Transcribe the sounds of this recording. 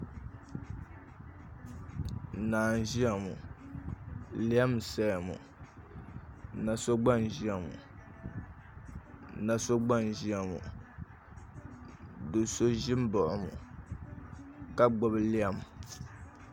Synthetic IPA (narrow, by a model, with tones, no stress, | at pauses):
naː˨n˨ʒi˦a˨mṵ˨ | li˦a˦msa˦˨ja˨mṵ˨ | na˨so˦ɡ͡ba˦nʒi˦a˨mṵ˨ | na˨so˦ɡ͡ba˦n˨ʒi˦a˨mṵ˨ | dɨ˨so˦ʒɪ˦m˦bɔ˨ʔʊ˨mṵ˨ | ka˦ɡ͡bʊ˨bɨ˦li˦a˦m˨